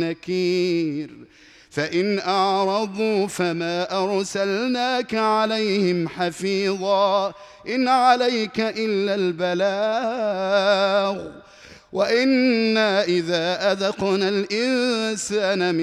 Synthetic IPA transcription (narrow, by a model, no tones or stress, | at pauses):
akiːɾ | faʔɪnʔɑʕɾˤɑd̪ˤuːfamaːʔɑɾˤsalnaːkaʕalajhɪmħafiːðˤɑː | ʔɪnʕalajkaʔɪlːaːlbalaː | ɣ | waʔɪnːaːʔɪðaːʔaðqnalʔɪnsaːnam